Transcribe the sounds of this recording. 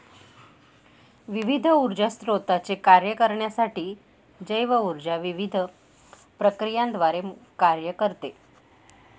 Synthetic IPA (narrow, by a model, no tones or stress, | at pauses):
ʋiʋid̪ʱəuɾd͡ʑast̪ɾot̪at͡sekaɾjəkəɾɳjasaʈiː | d͡ʑəjʋəuɾd͡ʑaʋiʋid̪ʱə | pɾəkɾijãnd̪ʋaɾekaɾjəkəɾt̪e